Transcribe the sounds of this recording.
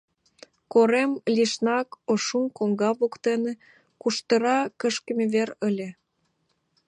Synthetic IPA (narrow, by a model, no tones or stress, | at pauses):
koɾemlʲiʃnɑkoʃumkoŋɡɑβukt̪ene | kuʃt̪ə̆ɾɑkə̆ʃkə̆mʲeβeɾəlʲĕ